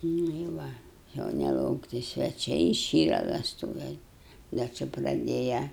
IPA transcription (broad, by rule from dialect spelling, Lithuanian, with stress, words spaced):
nʊ ɪ ˈʋɐ jɛʊ nʲɛlˠɐʊkˈtʲɪ sʲʋʲɛˈt͡ʃʲɛɪ ɪˈʃʲiːrɐ ʋʲɛsˈtuːʋʲɛ ˈdɐ ˈt͡ʃʲɪ prɐˈdʲeːjɛ